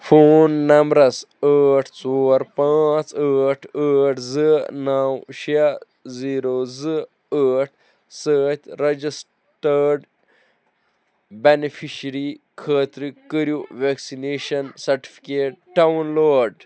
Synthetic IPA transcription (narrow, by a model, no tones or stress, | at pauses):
fʰoːnːɐmbɾɐs | əːʈʰt͡soːɾpãːt͡səːʈʰəːʈʰzɨnawʃa | ziːɾoːzɨ | əːʈʰ | səːt̪ʲʰɾɐd͡ʒis | ʈəɾɖ | benifʰiʃɾi | kʰəːt̪ɾikːəɾjuʋeksineːʃɐnsɐɾʈi̥fi̥keːʈ̚ʈawnloːɖ